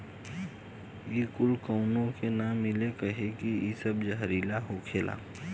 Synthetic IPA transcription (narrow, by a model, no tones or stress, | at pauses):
ikʊlkəʊnõkenaːmːɪlekəɦekiisəbd͡ʒəɦɾiːlaɦokʰeːlʔa̰ː